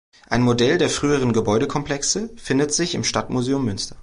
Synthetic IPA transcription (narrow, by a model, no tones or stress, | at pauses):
ʔaɪnmodɛldeːɐfʁ̥yːəʁ̞ənɡəbɔʏɾəkʰɔmplɛksəfɪndətz̥ɪçɪmʃtatmuzeːʊmːʏnstɐ̥